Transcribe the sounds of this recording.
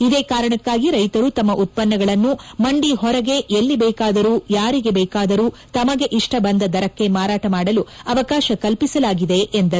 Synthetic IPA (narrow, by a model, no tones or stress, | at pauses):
id̪eːkaːɾɐɳɐkːaːɡiɾɐjt̪ɐɾut̪ɐmːɐʔut̪̚pɐnːɐɡɐɭɐnːumɐɳɖiɦɔɾɐɡe̞ʔelːibɛːkaːd̪ɐɾuːjaːɾiɡe̞bɛːkaːd̪ɐɾuː | t̪ɐmɐɡe̞ʔiʂʈɐbɐnd̪ɐd̪ɐɾɐkːe̞maːɾaːʈɐmaːɽɐluɐʋɐkaːʃɐkɐlpisɐlaːɡid̪e̞ʔend̪ɐɾ